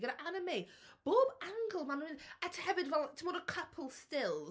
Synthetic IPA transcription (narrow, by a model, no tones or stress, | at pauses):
ɡɛɾəʔanəmejb̥oːbãŋɡəlˠmanəmɪnətʰəhɛvɪdvɛlˠtʰəmɔɾəkʰəpʰəl̩ˠstɪlˠ